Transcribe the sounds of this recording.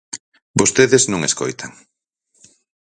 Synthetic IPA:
bost̪eðeznõŋesko̰jt̪ʰaŋ

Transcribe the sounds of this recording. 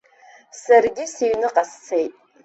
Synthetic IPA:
sarɡʲɪsiɥnɨqʼast͡sʰejtʼ

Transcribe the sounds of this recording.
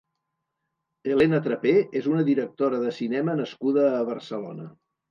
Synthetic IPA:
elenət̪ɾəpeezunəðiɾək̚t̪oɾəðəsinɛmənəskuðəːβ̞ərsəlo̰nə

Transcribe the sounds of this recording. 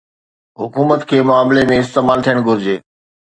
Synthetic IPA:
ɦʊkuːmət̪kʰeːmʊaːmlemẽɪst̪eːmaːlt̪ʰijəɽ̃ɡʱʊɾɪd͡ʑeː

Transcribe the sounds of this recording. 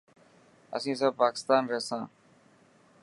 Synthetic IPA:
ə̰sĩːs̬əb̚paːkɪst̪aːnɾɛɦsãː

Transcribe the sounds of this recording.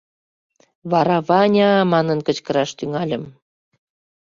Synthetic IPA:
βɑɾɑβɑnʲɑmɑnənkət͡ɕkə̆ɾɑʃt̪yŋɑlʲəm

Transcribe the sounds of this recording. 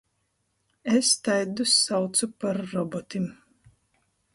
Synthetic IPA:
est̪ajd̪usːawt̪supaɾːɔbɔt̪im

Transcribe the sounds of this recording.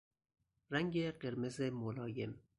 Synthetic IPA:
ræŋɡeɢeɾmezemolɒːjem

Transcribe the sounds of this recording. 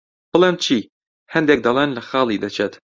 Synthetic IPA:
b̥ɨlˠeːmt͡ʃʰi | hɛnd̪ek̚d̪ɐlˠenlɐxɑːlˠid̪ɐt͡ʃʰet̪

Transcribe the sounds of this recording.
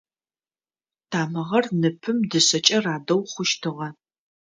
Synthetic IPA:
tʰaːmɐʁɐrnɨpʰɨmdɨɕɐt͡ʃʼɐraːdɐwχʷʊʃtʰɨʁɐ

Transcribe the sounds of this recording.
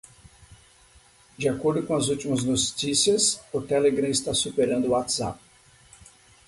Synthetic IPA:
d͡ʒiakoɾd̪ʊkõɐzut͡ʃimɐznot͡ʃisiɐsʊt̪ɛleɡɾɐ̃ɪst̪asupeɾɐ̃nd̪ʊːat̪z̥a̰p

